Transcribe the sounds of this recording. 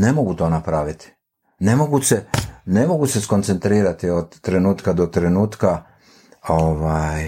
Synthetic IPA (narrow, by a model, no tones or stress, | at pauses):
ne̞mo̞ɡut̪o̞ːnapɾaʋit̪i̥ | ne̞moɡuse̞ne̞mo̞ɡuse̞skont̪se̞nt̪ɾiːɾat̪iod̪ːɾe̞nuːt̪kad̪o̞t̪ɾe̞nuːt̪ka | oʋaj